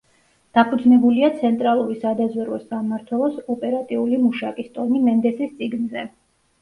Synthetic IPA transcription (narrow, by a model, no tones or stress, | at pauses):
d̪̥apʰud̪znɛbuliat̪sʰɛnt̪ʼɾalˠuɾisad̪azwɛɾwɛsɡamːaɾt̪ʰwɛlˠɔsɔpʼɛɾat̪ʼiulimuʃakʼist̪ʼɔnimɛnd̪ɛsist̪sʼiɡnzɛ